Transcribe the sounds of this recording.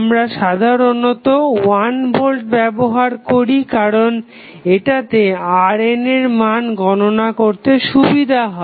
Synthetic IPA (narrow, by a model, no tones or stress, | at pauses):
mɾaʃad̪ʱaɾonot̪owanbolʈ̚bɛboɦaɾkoɾikaɾon | eʈat̪eaɾeneɾmanɡɔnonakoɾt̪eʃubid̪ʱaɦɔ